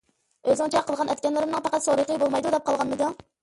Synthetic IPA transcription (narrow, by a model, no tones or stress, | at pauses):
øzŋt͡ʃʰɛqʰəlˠʁɑnʔɛt̪̚kʲɛnlɪɾɪmnɨŋpʰæqæt̪soɾəqəbolˠmɑjd̪ud̪ɛp̚qʰɑlˠʁɑnmɨd̪ʊ